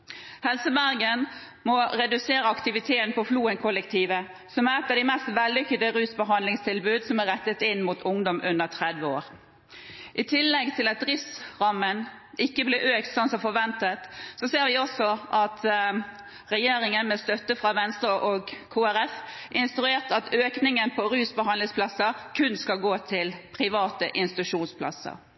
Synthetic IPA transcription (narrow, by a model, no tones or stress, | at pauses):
hɛlsəbæɾɡən | mɔɾɛd̪ʉseːɾəɑkt̪ɪʋɪt̪ʰeːnpɔfluːənkʰɔləkt̪ʰiːʋə | sɔmæʁɛt̪ːɑd̪ɪmɛst̪ʋɛlːʏkːəd̪əɾʉːsbəɦɑnd̪lɪŋst̪ʰɪlbʉːd̪sɔmæɾɛt̪ːət̪ɪnmuːt̪ʰʊŋd̪ɔmʔʉnːəʁt̪ʰʁɛd̪ʋəoːɾ | ʔɪt̪ʰɪlːɛɡt̪ʰɪlɑt̪̚ɾɪsʁɑmːənɪkːəblɪʔøːkt̪sɔnsɔfɔɾʋɛnt̪ət̪sɔseːɾʋɪɔsɔʔɑt̪ | ʁɛjeːɾɪŋənmɛst̪œt̪ːəfʁɑʋɛnst̪ɾəʔɔɡkʰuːæɾɛf | ʔɪnst̪ɾʉeːʁt̪ɑt̪ʰøːknɪŋənpʰɔɾʉːsbəɦɑnlɪŋspʰlɑsːəkʰʉnskɑlɡoːt̪ʰɪlpʰɾɪʋɑːt̪əʔɪnst̪ɪt̪ʉʂuːnspʰlɑ̰sə̰ɾ